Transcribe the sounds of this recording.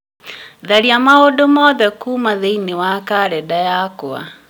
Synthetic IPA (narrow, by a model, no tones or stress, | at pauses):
ðaɾiamaodomɔðɛkuːmaðeinewakaɾɛdajakoa̰